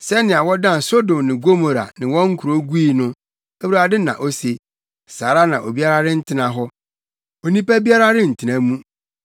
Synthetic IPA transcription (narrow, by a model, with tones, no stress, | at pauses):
sɛ˦nɪ̃˨a˨wɔ˦dã˦˨n˨so˦dõ˨mnɪ̃˨ɡo˦mo˨ɾa̰˨nɪ̃˨wɔ̃˦ŋ̩˦kʰu˨ɾo˦ɡu˦i˨nʊ̃˦ | æ˦wu˦aː˨dɪ˦nã̰˨ʔo˦se˨ | saː˨ɾa˦nã˨ʔo˨bi˦a˦ɾa˦ɾɪ˦n̩˦tʰɪ˦nã˨ɦɔ˦ | o˨nĩ˦pæ˦bi˦a˦ɾa˦ɾɪ̃˦n̩˨tʰɪ˨nã˦mũ˦